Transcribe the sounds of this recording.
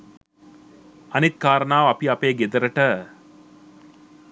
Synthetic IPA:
ɐnit̪̚kaːɾənaːʋɐpiɐpeːɡed̪ɐɾəʈə

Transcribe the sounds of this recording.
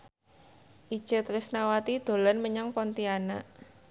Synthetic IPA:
ʔid̥ʒ̥ə̤t̪ɾɪsnawat̪id̪̥o̤lɔnməɲaŋpɔnt̪iana

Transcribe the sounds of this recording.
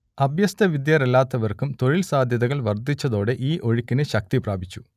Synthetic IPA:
ɐbʱjɐst̪ʰɐʋid̪jɐɾɐlːaːt̪ːɐʋɐrkumt̪o̞ɻilsaːd̪ʱjɐðɐɣɐɭʋɐrd̪ʱit͡ɕːɐðo̞ːɽe̞ʔiːʔo̞ɻikːinɨɕɐk̚t̪ipraːbʱit͡ɕːu̥

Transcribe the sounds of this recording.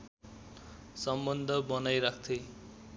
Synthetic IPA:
sʌmbʌnd̪ʱʌbʌnajɾakʰt̪ʰe

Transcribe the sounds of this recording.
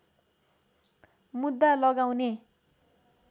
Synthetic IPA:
mud̪ːalʌɡawne

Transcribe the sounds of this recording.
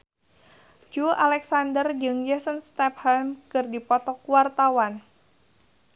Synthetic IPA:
d͡ʒualɛksandərd͡ʒɨŋjəsənst̪ɛp̚hɛlmkɨrdipɔt̪ɔkuwart̪awan

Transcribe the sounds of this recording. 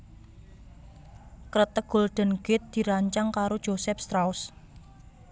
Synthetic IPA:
kɾət̪əɡ̥o̤lɖ̪̥ə̤nɡ̥ɪt̪̚d̪̥i̤ɾaɲt͡ʃaŋkaɾod̥ʒ̥osɛp̚st̪ɾaus

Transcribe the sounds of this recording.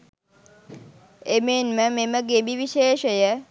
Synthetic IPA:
emenməmeməɡebiʋiʃeːʃəjə

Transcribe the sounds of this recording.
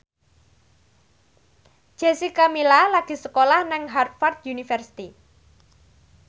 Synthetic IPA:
ʒ̥ɛsikamilalaɡ̥i̤səkolahnɪŋɦart̪̚fard̪̚junifərsi̥t̪i

